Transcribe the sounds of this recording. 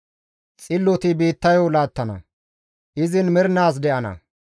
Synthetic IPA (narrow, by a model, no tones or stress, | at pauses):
t͡sʼɪlːɔt̪ɪbiːt̪ːɐjɔwlaːt̪ːɐnɐ̰ | ʔɪzɪnmɪɾnaːs̬d̪ɛʔɐnɐ̰